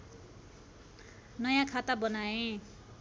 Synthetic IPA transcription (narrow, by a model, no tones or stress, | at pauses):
nʌjãkʰat̪abʌnaẽ